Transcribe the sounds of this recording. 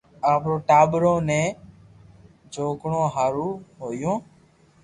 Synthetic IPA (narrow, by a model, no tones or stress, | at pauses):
aːpɾoːʈaːɓɾõːnẽː | d͡ʒoːkɳõːɦaːɾuːɦoːjõː